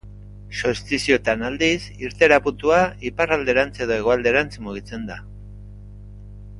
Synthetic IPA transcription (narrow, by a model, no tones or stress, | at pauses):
sost̪isio̞t̪anald̪isiɾt̪e̞ɾaput̪uaiparald̪e̞ɾant͡se̞ð̞oe̞ɣ̞oald̪eɾant͡smuɣ̞it͡se̞nd̪a